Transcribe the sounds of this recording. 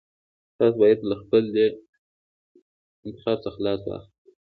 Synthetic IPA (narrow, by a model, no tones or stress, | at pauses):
t̪ɑsobɑjad̪̚laxpəld̪ə | ɪnt̪ɪ̥xɑɾsəxalɑswɑ̰xli